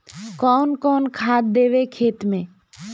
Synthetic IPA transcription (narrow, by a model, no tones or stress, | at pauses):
kɔːnkɔːnkʰaːd̪̚d̪eːʋekʰeːt̪mẽː